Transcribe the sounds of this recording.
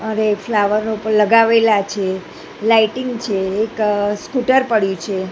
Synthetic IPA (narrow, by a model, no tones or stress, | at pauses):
əɾeflaʋəɾnopəɳləɡaʋelat͡ʃʰe | laiʈɪŋɡt͡ʃʰeːkskuʈəɾpəɽjũt͡ʃʰe